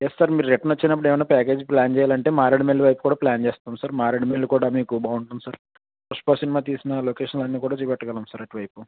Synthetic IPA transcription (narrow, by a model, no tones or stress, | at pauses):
jesːɐɾmiːɾɾeʈːɐnɐt͡ʃːinɐpːuɽeːmɐjnaːpaːk̬e̞ːd͡ʒplaːnt͡ʃɛːjaːlɐɳʈe̞ːmaːɾeɽimelːuʋɐjpu̥kuːɽaːplaːnt͡ʃeːst̪aːmsɐɾmaːɾeɽimelːukuːɽaːmiːkubaːuɳʈuːnusɐɾ | pɐʂpoːsinimaːt̪iːsinɐloːkeːʂɐnlɐnːiːkuːɽaːt͡ʃiːpɛʈːɐɡɐlɐːmsɐɾɐʈiʋɐjpu